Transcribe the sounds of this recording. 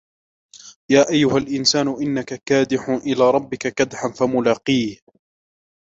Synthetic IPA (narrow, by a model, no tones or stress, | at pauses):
jaːʔajːʊhalʔɪnsaːnʊʔɪnːakakaːd̪ɪħʊʔɪlaːɾˤɑbːɪkakad̪ħanfamʊlaːqiːh